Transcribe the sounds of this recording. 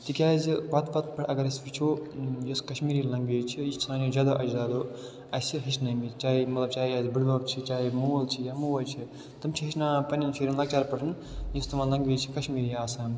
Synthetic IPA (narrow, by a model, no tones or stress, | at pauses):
t̪ikʲaːzʋɐt̪bɐt̪̚pɐʈʰɐɡɐɾɐsfʲit͡ʃʰojoskɐʃmiːɾilɐŋɡʋeːt͡ʃʰijist͡ʃʰinaːnjozʲaːd̪aʔɐd͡ʒzaːd̪oː | ɐsiɦɐt͡ʃʰnɐmit͡ʃaːimɐt̪lɐb̚t͡ʃaːiazbɨɽbɐb̚t͡ʃʰit͡ʃaːɦimoːlt͡ʃʰijamuʋɐlt͡ʃʰi | t̪ɨmt͡ʃʰiɦɐt͡ʃnaːpɐnʲɐnfʰiɾinlɐɡ̚t͡ʃaːɾpɐʈʰɨn | jist̪umãlɐŋɡʋʲeːt͡ʃʰi̥kɐʃmiːɾiaːsaːm